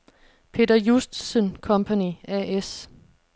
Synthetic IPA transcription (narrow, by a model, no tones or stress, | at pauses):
pʰe̝̰ːdɐjusd̥sənkʰɒ̽mpʰæniæʔes